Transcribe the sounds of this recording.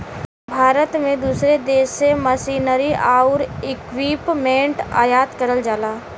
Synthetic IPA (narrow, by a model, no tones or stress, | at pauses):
bʱaːɾət̪mẽd̪uːsɾed̪eːseməsiːnəɾiʔaːʊɾɪkwiːpmẽːɳʈa̰ːjaːt̪kəɾəld͡ʒaːlaː